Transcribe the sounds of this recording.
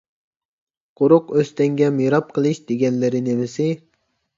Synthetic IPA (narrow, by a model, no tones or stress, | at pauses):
qʰʊɾʊqøst̪ɛŋɡʲɛmiɾɑp̚qʰəlˠɨʃd̪̥eɡʲɛnlɪɾɪnemɪsɪ